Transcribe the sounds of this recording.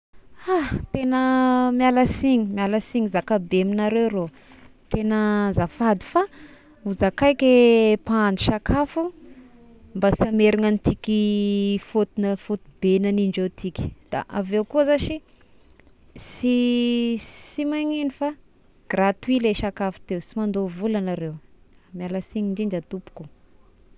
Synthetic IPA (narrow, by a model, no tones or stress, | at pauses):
at̪enəmjaləsiɲimaləsiŋizakabeminaɾewɾo | t̪enəzafad̪i̥fa | uzakajkʲepaand̪uʃakʰafu | mbasameɾiŋanit̪ikʲifot̪unəfot̪ubenaniɳɖ͡ʐet̪ʰikʲi̥d̪̥a̰ʔavewkuəzaʃi | si | simaɲenifa | ɡ̥rat̪uileʃakafu̥t̪ewsimand̪ovulanaɾew | amjalasiɲiɳd͡ʒiɳd͡ʒat̪upu̥ku